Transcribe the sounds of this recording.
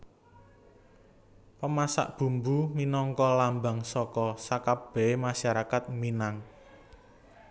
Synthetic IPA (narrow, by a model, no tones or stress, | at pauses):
pəmasa̰ʔb̥ṳmbuminɔŋkɔlamba̤ŋsɔkɔsakab̥ɛ̤emaʃaɾakat̪̚minaŋ